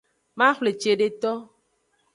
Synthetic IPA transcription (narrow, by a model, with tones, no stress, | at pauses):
ma˦xʷle˨t͡ʃe˨ɖe˦t̪ɔ˦